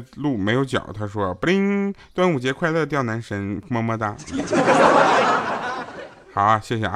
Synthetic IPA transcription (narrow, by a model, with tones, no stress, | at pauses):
lu˥˩me˧˥ɪjo˧˥ʊt͡ɕjɑ̰˨˩ʊt̪ʰa˥ʂwɔ˥˧pli˥ŋt̪wa˥nu˨˩t͡ɕjɛ˧˥kʰwa˥˧ɪdə˥˧t̪̬jɑ˥˩ʊna˧˥nʂə˧˥nmɔ˥mə˥˧t̪a˥˩˥ | xɑ˨˩˦ɕjɛ˥˩ɕ̬jɛ˨˩